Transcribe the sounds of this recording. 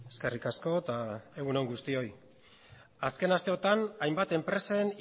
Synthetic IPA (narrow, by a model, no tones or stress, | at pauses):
eskerikasko̞t̪ae̞ɣunoŋɡust̪io̞j | aske̞nast̪e̞o̞t̪anajmbat̪e̞mpɾe̞sen